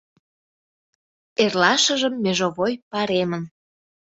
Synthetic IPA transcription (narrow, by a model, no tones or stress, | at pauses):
erlɑʃə̆ʒəmːeʒoβojpɑɾemən